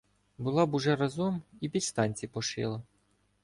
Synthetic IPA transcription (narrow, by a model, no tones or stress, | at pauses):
bʊlˠɑbuʒɛɾɐzɔmibʲilʲst̪ɑnʲt͡sʲipɔʃɪ̰lˠɐ